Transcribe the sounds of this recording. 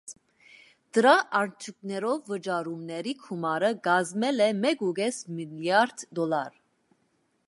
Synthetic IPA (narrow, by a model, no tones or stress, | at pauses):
d̪̥əɾaʔɑɾt͡ʃʰuk̚nɛɾɔvːəd͡ʒɑɾumnɛɾikʰumɑɾəɡɑzmɛlɛmɛɡuɡɛsmiljɑɾd̪d̪ɔlɑɾ